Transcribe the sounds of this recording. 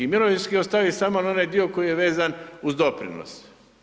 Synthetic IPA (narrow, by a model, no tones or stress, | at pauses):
imiloʋinskiost̪aʋisamonao̞najd̪io̞ko̞jijeʋe̞ːzanuzd̪o̞pɾḭno̰s